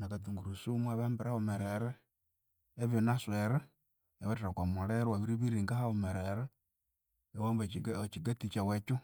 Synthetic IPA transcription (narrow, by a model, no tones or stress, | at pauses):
nakatuŋɡuɾusumwaβaːmbiɾaomeɾeɾeː | βjonasweɾe | eβatiɾakwamuɾeɾwaβiɾiβiɾiŋɡahaomeɾeɾe | ewambat͡ʃiɡatit͡ʃawet͡ʃu